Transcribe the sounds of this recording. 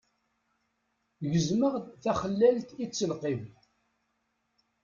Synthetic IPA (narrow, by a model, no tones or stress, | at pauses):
ʝəzməʁθæχəlːælt̪it͡sːəlqev